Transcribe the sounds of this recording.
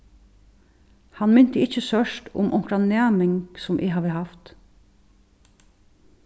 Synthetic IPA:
hɑnmɪnt̪əɪçəsœʃʈʊ̰mʔɔŋkɾɑnæːmɪŋɡsɔmʔḭːɦɑʋəhɑft̪

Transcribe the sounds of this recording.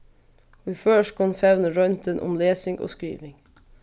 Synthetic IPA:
ʋiføːʃkɑnfɛʋnəɹœnt̪ənʔʊ̰mleːsɪŋʔo̰ːskɹḭːʋɪŋ

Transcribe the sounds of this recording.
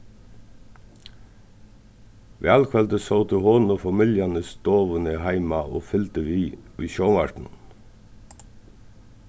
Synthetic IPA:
ʋḛːɑlkʰʋɛld̪əsɑʊt̪əhoːn̩oːfɑmɪljɑnəsd̪̥oːʋənəhæɪmɑʔo̰ːfʏlt̪əʋiːʋiːʃoːmɑʈɳ̩

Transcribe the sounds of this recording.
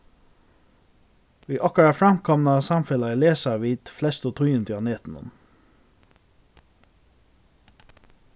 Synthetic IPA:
ʋiːʔɑkəɹɑfɹɑmkʰɑmnɑsɑmfɛlɑiːleːsɑʋiːd̪̥flɛst̪oːt̪ʰʉjʉnt̪ɪɑneːt̪n̩ʊ̰m

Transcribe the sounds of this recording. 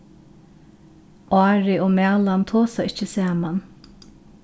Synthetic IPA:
ʔɑːɹɪoːmæːlant̪ʰoːsaɪt͡ʃəsæːman

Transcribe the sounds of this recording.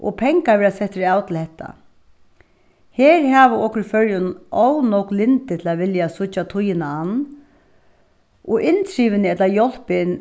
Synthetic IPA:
ʔɔ̰pʰɛŋkaʋɛːɾasɛht̪ːɪɾɪaːwt̪ʰɪlhɛt̪ʰːa̰ | heːɾɦaːʋəɔhkɾfœɹjʊnɔwnɔwklɪnt̪ɪt̪ʰɪlaʋɪljasʊt͡ʃːat̪ʰʊjɪnaanː | ɔʔɪnt̪ʰɾiːʋɪnɪɛt̪lajɔl̥pɪn

